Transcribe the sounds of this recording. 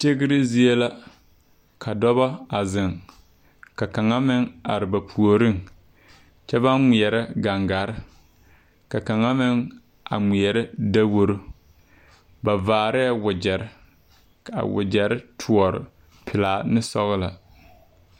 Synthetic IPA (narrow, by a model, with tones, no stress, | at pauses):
t͡ʃe˦ɡɪ˦ɾɪ˦zi˦e˦la˦ | kʰa˨dɔ˦βɔ˦a˨zɪ˨ŋ | ka˨ka˨ŋa˦mɪ˦ŋa˨ɾɪ˨ba˨pʰu˨o˨ɾɪ˦ŋ | t͡ʃɛ˦ba˦nmi˨ɛ˨ɾɪ˦ɡa˨ŋɡa˨ɾɪ˦ | ka˨ka˨ŋa˦mɪ˦ŋ | ʔa̰˨ŋ͡mi˨ɛ˨ɾɪ˦da˦wo˦ɾo˦ | ba˨vaː˨ɾɪ˦a˦˨wʊ˨d͡ʒɛ˨ɾɪ˦ | a̰˨wʊ̰˨d͡ʒɛ˨ɾɪ˦tʰu˨ɔ˨ɾɪ̰˨ | pʰɪ˨laː˨nɪ˦sɔ˦ɣla̰˨